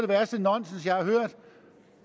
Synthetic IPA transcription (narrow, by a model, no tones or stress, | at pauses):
d̥e̝ʋæɐsd̥ənɒ̽n̰snsjɑ̈ɪhɑ̈høɐ̰d̥